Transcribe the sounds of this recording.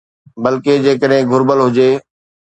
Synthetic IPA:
bɐlked͡ʑeːkəɗɦɪ̃ɡʱʊɾbəlɦʊd͡ʑeː

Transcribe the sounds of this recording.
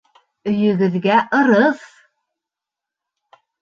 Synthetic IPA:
ɵ̆jɵ̆ɡɘ̆ðɡæʔɤ̆ɾɤθ

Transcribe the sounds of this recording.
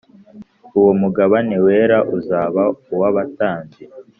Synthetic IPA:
uwo̞muɡaβane̞we̞ːɾaʔuzaːβauwaβataːnze

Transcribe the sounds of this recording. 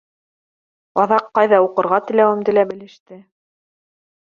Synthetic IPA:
ɑðɑqːɑjðɑuqɤ̆ɾʁɑt̪ɘ̆læwɘ̆md̪ɘ̆læbɘ̆lɘ̆ʃt̪ɘ

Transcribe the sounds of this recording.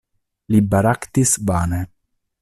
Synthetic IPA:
libaɾakt̪isbaːnɛ

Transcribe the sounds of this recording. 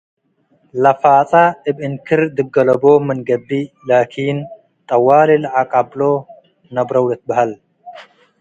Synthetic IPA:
lɐfaːt͡sʼaɨbɨnkʰɨɾd̪ɨɡɐlɐbomɨnɡɐbːi | laːkʰiːn | t̪ʼɐwːaːlilʕakʼablo | nɐbɾɐwlɐt̪̚bɐhal

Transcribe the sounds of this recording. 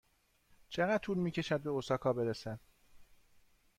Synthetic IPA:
t͡ʃʰeɣæ̥t̪ʰuːɾmiːcʰe̞ʃæd̪̚be̞osɒːkʰɒːbe̞ɾesæn

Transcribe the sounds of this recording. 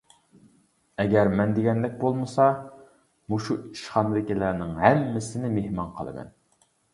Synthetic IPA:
ɛɡʲɛɾmɛnd̪eɡʲɛnd̪ɛk̚ʲbolˠmɨsɑ | muʃui̥ʃχɑnd̪ɪkʲilæɾnɪŋɦæmːɪsɪnɪmehmɑnqʰə̰lˠɨ̰mɛ̰n

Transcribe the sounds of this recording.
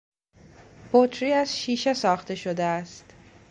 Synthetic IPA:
b̥ot̪ʰɾiːæzʃiːʃesɒːxt̪e̞ʃo̞d̪eæst̪

